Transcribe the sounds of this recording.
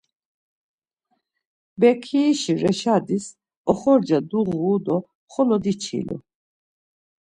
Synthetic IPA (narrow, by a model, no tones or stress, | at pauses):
bɛkʰiːʃiɾɛʃad̪is | ɔχɔɾd͡ʒad̪uɣuːd̪ɔ | χɔlɔd̪it͡ʃʰḭlṵ